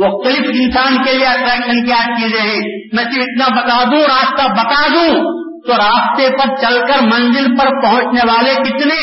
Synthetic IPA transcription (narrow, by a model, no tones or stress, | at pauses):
ok̪ɐlɪp̪ʰɪnsaːnkelieəʈɾɛːkʃənkiaːt͡ʃid͡ʒẽɦɛ̃ː | mɛ̃ːt̪ĩɪt̪nabɐt̪aːd̪ũɾaːst̪abɐt̪aːd̪ũ | t̪oɾaːst̪epəɾt͡ʃɐlkəɾmɐ̃nzɪlpɐɾpɐɦʊ̃t͡ʃneʋaːlekɪt̪ne